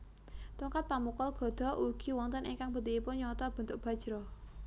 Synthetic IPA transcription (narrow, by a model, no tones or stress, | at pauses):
t̪uŋkat̪̚pamukɔlɡ̥ɔ̤d̪̥ɔ̤ʔuɡ̥i̤wɔnt̪ənʔiŋkaŋb̥ət̪iipʊnɲɔt̪ɔb̥ə̤nt̪ʊʔ̚b̥ä̤d̥ʒ̥ɾɔ